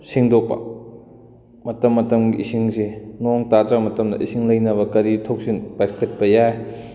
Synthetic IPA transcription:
siŋdok̚pɐ̰ | mɐtɐmːɐtɐmɡiʔisiŋsinɔŋtatɾamɐtɐmdɐ̰ʔisiŋlɐjnɐβɐkɐɾitʰɐwsinpajkʰɐt̚pɐjaj

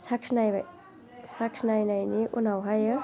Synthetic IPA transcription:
saksʰnajbaj | saksʰnajnajniʔunawɦajə

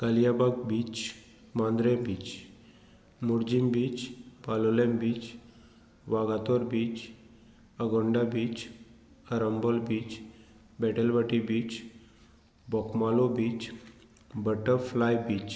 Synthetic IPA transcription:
kalijabaɡ̚biːt͡ʃ | mãnd̪ɾebiːt͡ɕ | muɾd͡ʑimbiːt͡ɕpalolembiːt͡ɕ | ʋaɡat̪ɔɾbiːt͡ɕ | əɡɔɳɖabiːt͡ɕ | əɾəmbɔlbiːt͡ɕ | bɛʈəlʋəʈibiːt͡ɕ | bɔkmalobiːt͡ɕ | bəʈəɾflajbiːt͡ɕ

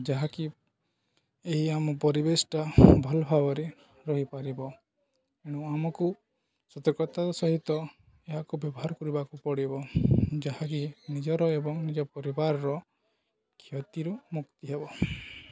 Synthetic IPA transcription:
d͡ʒaɦaki | eɦiamɔpɔɾibesʈabʱɔlɔbʱabɔɾe | ɾɔɦipaɾibɔ | eɽ̃uamɔku | sɔt̪ɔkɔt̪aɾɔsɔɦit̪ɔ | eɦakubjɔbɔɦaɾɔkɔɾibakupɔɽibɔd͡ʒaɦakinid͡ʒɔɾɔebɔŋnid͡ʒɔpɔɾibaɾɔɾɔ | kʰjɔt̪iɾumukt̪iɦebɔ

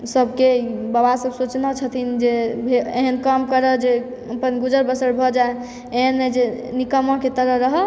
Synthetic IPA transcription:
səbʱkebəbasəbsot͡ʃnat͡ʃʰət̪ʰind͡ʒebʱeeɦənkəmkəɾəd͡ʒe | əpənɡud͡ʒəɾbəsəɽbʱɔd͡ʒae | eɦənːed͡ʒenikəmɔ̃ket̪əɾəɦɾəɦə

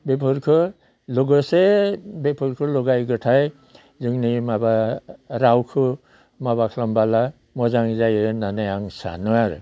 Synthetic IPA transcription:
bepʰɯɾkʰɯ | lɔɡɯsebepʰɯɾkʰɯlɔɡajɡɯtʰaj | zɯŋnimabaɾawkʰɯ | mabakʰlɔmbala | mɔzaŋzajɯnanajaŋsa̰nɯaɾɯ̰

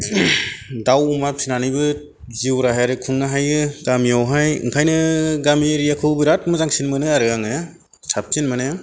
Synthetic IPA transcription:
dawumap̚sinanibɯ | ziwɾaɦjaɾɯkʰuŋnaɦajɯɡ̥amiawɦajɯ̰ŋkʰajnɯɡamiɾijakʰɯwbiɾat̚mɯzaŋsinmɯnɯaɾɯaŋe | sʰap̚tinmɯne

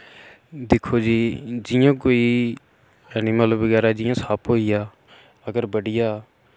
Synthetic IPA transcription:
d̪ɪkʰoːd͡ʒiːd͡ʒɪjãːkoːiː | əniːmələbəɡɛːɾaːd͡ʒɪjãːsaːpoːɪjaː | əɡəɾbəɽɪjaː

